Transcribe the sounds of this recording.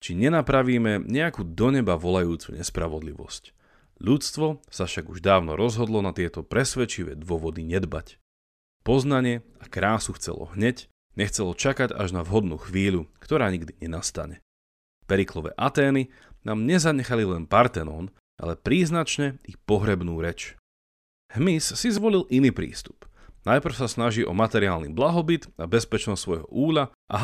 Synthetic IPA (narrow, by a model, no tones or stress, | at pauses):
t͡ʃiɲɛnapɾaʋiːmɛɲɛakuːd̪ɔɲɛbaʋɔlajuːt͡sṵɲɛspɾaʋɔd̪lḭʋɔ̰sc | ʎut͡st̪ʋɔsafʃaɡuʒd̪aːʊnɔɾɔzɦɔd̪lɔnat̪ɪɛt̪ɔpɾɛsʋɛt͡ʃiʋɛ̰ːd̪ʊɔʋɔd̪iɲɛd̪ba̰c | pɔznaɲɪɛakɾaːsuxt͡sɛ̰lɔ̰ɦɲɛc | ɲɛxt͡sɛlɔt͡ʃakaɟa̰ʒnaʋɦɔd̪nṵːxʋiːʎukt̪ɔɾaːɲiɡd̪iɲɛnast̪a̰ɲɛ | pɛɾiklɔʋɛ̰ːʔat̪ɛːni | naːmɲɛzaɲɛxalilɛnpaɾt̪ɛnɔːn | ʔa̰lɛpɾiːznat͡ʃɲɛipɔɦɾɛbnuːɾɛt͡ʃ | ɦmisːizʋɔlilʔiniːpɾḭːst̪u̥pnajpr̩ʊsasnaʒiʔɔmat̪ɛɾiɪaːlnḭblaɦɔbit̪abɛspɛt͡ʃnɔssʋɔjɦɔ̰ʔuːʎa | ʔa̰ɦ